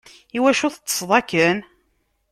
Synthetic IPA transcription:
iwæʃuθət͡sːə̥sˤðˤɑkən

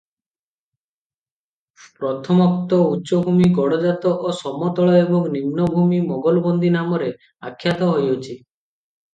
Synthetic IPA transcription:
pɾɔt̪ʰɔmɔk̚t̪ɔutːʃɔbʱumiɡɔɽɔd͡ʒat̪ɔʔosɔmɔt̪ɔɭɔebɔŋnimnɔbʱumimɔɡɔlbɔnd̪inamɔɾe | a̰kʰːjat̪ɔɦojot͡ʃʰi

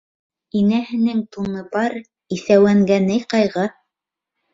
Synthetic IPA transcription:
inæhɘ̆nɘŋt̪unɤbɑɾ | iθæwæŋɡænɘjqɑjʁɤ

